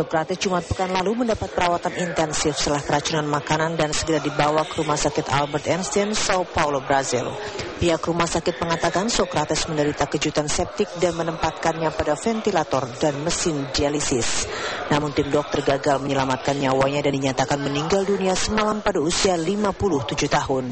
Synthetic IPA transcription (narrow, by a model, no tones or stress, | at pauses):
sokɾat̪ɛsd͡ʒumat̪̚pəkanlaluməndapat̪̚pəɾawat̪anint̪ɛnsɪfst̪əlahkəɾat͡ʃunanmakanandansəɡəɾadibawakəɾumahsakɪt̪a̰lbərt̪ɛnst̪ɛnsaupaulobɾazɪ̰lpiɦakɾumahsakɪt̪̚məŋat̪akansɔkɾat̪ɛsməndəɾit̪akəd͡ʒut̪ansɛp̚t̪ɪk̚danmənəmpat̪̚kanɲapadafɛnt̪ilat̪ɔrdanməsɪndialisɪsnamʊnt̪ɪmdɔk̚t̪ərɡaɡalməɲəlamat̪̚kanɲawaɲadandiɲat̪akanməniŋɡalduniasəmalampadausialimapulʊht̪ud͡ʒuht̪aɦʊn